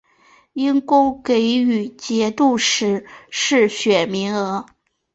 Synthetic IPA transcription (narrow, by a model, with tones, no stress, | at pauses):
i˥nkʊ˥ʊke˧˥ɪy˨˩t͡ɕjɛ˧˥t̪u˥˩ʂɻ̩˧˥ʂɻ̩˥˩ɕɥɛ˨˩mi˧˥ŋɤ˧˥